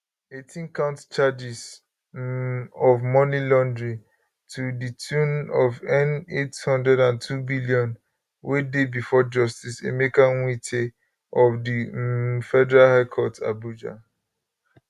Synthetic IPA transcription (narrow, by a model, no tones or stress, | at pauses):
etʰĩnkãʊ̃ntt͡ʃad͡ʒis | ɔvmɔnilɔ̃ndɹĩ | tʰuditʰũnɔvɛnethɔ̃ndɹɛdãntʰubiliɔ̃n | wedebifɔd͡ʒɔstisḛmekãnwitʰe | ɔfdifɛdɛɹalhaɪkʰɔta̰bud͡ʒa̰